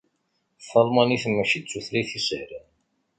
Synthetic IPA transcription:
θˤɑlmɑniθəmːæçit͡sːuθliθisəhɾæn

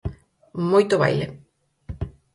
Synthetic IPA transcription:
mojt̪oβa̰jle

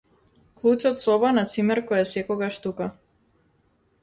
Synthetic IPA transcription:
klˠut͡ʃɔt̪sɔbanat̪simɛɾkɔjɛsɛkɔɡaʃt̪uka

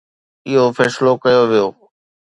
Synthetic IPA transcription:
ɪɦofʰɛːslokɐjoʋɪjoː

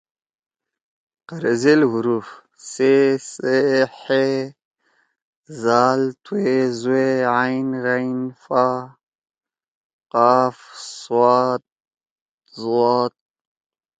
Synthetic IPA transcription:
qaɾezelɦuɾuf | seseħe | zaːlt̪ʰwezueajnɾajnfa | qaːfswaːt̪̚ | zwaːt̪̚

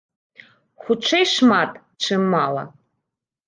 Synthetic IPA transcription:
xʷuʈ͡ʂʰejʂmat̪ʼ | ʈ͡ʂʰɨmːalˠɐ̰

